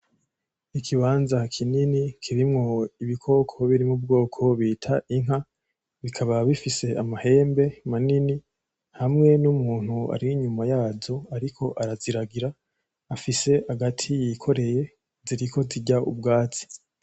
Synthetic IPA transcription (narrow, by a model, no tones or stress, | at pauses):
ikʰiβaːnzakʰininikʰiɾimŋo̞iβikʰo̞kʰo̞βiɾimubɡo̞ːkʰo̞βiːtʰaʔiŋɦa | βikʰaβaβifise̞amahe̞ːmbe̞manini | hamŋe̞numuːn̥hua̰ɾiiɲumajaːzo̞aɾikʰo̞ʔaɾaziɾaɡiɾaː | fise̞ʔaɡatʰijikʰo̞ɾe̞je̞ | ziɾikʰo̞ziɟaṵb̚ɡaːt͡si̥